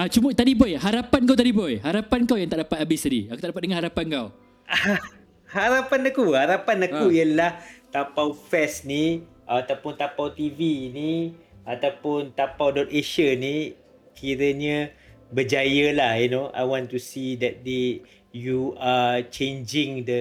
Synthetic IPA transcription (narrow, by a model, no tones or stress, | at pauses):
at͡ʃumət̪adibɔjɦaɾapank̬awt̪adibɔjɦaɾapankawjaŋt̪aʔdapat̪̚abɪstadiakut̪aʔdapat̪̚dəŋanhaɾapankaw | a | haɾapanakuhaɾapanakuialaht̪apawfɛsni | ʔat̪awpʊnt̪apawt̪ivini | at̪awpʊnt̪apawdɔt̪̚eʃəni | kʰiɾəɲə̃bəd͡ʒajəlahinoʔa̰jwɔ̃ntusidɛt̚de | juat͡ʃend͡ʒɪ̃ŋdə